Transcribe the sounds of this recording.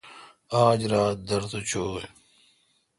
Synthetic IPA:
aːd͡ʑɾaːt̪̚d̪ɐɾt̪ot͡ɕʰoːj

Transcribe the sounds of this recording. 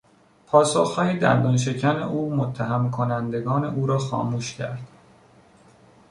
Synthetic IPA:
pʰɒːsoxhɒːjid̪æ̰nd̪ɒnʃ̬e̞cʰænḛʔuːmot̪ʰːæɦæmkʰo̞nænd̪e̞ɡɒːne̞̰ʔuːɾɒːxɒ̰ːmuːʃcʰæ̰ɾd̪̥

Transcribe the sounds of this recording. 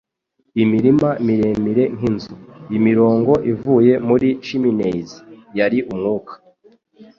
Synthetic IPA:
imiɾimamiɾemiɾe̞ŋ̥inzuimiɾo̞ːŋɡo̞ʔivuːje̞muɾiʃiminezijaɾiʔumŋuːkḁ

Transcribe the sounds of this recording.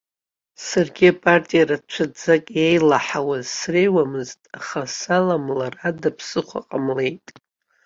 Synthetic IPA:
sarɡʲiapʼartʼijaɾat͡ʃʷʰad͡zakʼejlaħawazsrejwamɨztʼaχasalamlaradapʰsɨχʷa̰qʼamle̞jtʼ

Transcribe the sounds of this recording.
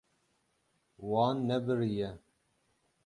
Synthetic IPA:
wɑːnːɛbɨɾijɛ

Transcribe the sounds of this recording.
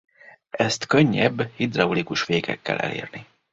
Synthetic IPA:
ɛst̪kø̞ɲːɛbːhid̪rɒulikuʃʋeːkɛkːɛlɛ̰leːrni

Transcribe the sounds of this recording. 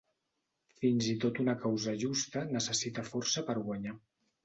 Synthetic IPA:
finzit̪ot̪unəkawzəʒust̪ənəsəsit̪əfɔɾsəpəɾɣwaɲa

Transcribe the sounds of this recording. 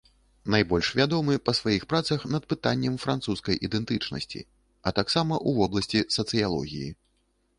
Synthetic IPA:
najbɔlʲʂvʲad̪ɔmɨpɐsvajixpɾat̪sɐxnɐt̪̚pɨt̪anʲːɛmfɾant̪suskɐjʔid̪ɛnt̪ɨt͡ʂnɐ̰sʲt͡sʲḭ | ɐt̪aksamɐʔuvɔblˠɐsʲt͡sʲisɐt̪sɨjalˠɔ̰ɣʲḭjḭ

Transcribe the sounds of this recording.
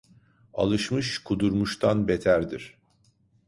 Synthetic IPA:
a̰lˠɯʃmɯʃkʰud̪uɾmuʃt̪ʰanbet̪ʰæɾd̪iɾ̥

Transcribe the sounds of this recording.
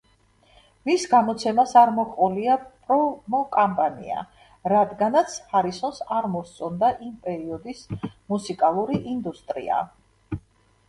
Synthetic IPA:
misɡamɔt̪sʰɛmasaɾmɔkqʼɔliapʼɾɔmɔkʼampʼanḭa̰ | ɾad̪ɡanat̪sʰhaɾisɔnsaɾmɔst̪sʼɔnd̪aʔimpʼɛɾiɔd̪ismusikʼalˠuɾiʔind̪ust̪ʼɾḭa̰

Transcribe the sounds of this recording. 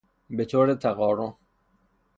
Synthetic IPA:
bet̪ʰoːɾet̪ʰæɣɒːɾon

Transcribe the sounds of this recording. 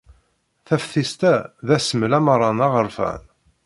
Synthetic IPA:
θæfθist̪æðæsəməlæmɑɾˤɑnɑʁəɾfæ̰n

